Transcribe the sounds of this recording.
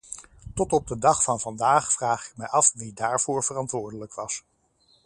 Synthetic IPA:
tɔtɔb̚dədɑχfɑnvɑndaːχfraːχɪ̥k̚mɛjɑfʋidaːɹv̥ʊːɹv̥ərɑntʋʊːɹdələkʋɑs

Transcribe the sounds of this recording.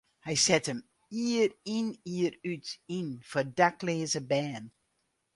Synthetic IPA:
hɛjsɛtəm | iːriniərytinfɔdakleːzəbɛːn

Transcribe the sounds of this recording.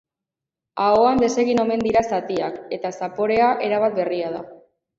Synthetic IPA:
aoand̪e̞se̞ɣ̞ino̞me̞nd̪iɾasat̪iake̞t̪asapo̞ɾe̞aʔe̞ɾaβat̪̚be̞riað̞a̰

